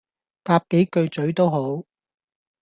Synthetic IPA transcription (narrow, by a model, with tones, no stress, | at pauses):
t̪aː˧p̚ke˨˥jkɵ˧ɥt͡sɵ˨˥ɥt̪o˥wɦo˨˥w